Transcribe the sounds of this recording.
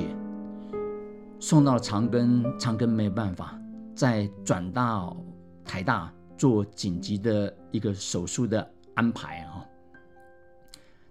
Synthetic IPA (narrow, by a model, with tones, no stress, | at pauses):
ɛ˨˩ | sʊ˥˧ŋt̪ɑ˥˩ʊʈ͡ʂʰɑ˧˥ŋkə˥nt͡sʰɑ˧˥ŋkə˥nme˧˥ɪjo˨˩ʊpa˥˩nfa˨˩t͡sa˥˧ɪʈ͡ʂwa˨˩nt̪ɑ˥˩ | t̪ʰa˧˥ɪt̪a˥˧ | t͡swɔ˥˩t͡ɕi˨˩nt͡ɕi˧˥d̪ə˨ | i˧˥ɡə˧ʂo˨˩ʊʂu˥˩d̪ə˩ | a˥npʰa̰˧˥ɪɔ˥˩